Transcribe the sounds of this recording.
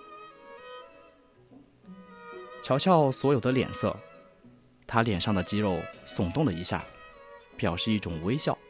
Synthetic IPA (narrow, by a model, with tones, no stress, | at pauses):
t͡ɕʰjɑ˧˥ʊt͡ɕʰjɑ˥˩ʊswɔ˧˥jo˨˩ʊd̪ə˦ljɛ̰˨˩nsɤ̰˥˩ | t̪ʰa˥ljɛ˨˩nʂɑ˥˩ŋd̪ə˩t͡ɕi˥ɻo˥˩ʊsʊ˨˩ŋt̪ʊ˥˩ŋlə˩i˧˥ɕja̰˥˩pjɑ˨˩ʊʂɻ̩˥˧i˥˩ʈ͡ʂʊ˨˩ŋwe˥ɪɕjɑ˥˩ʊ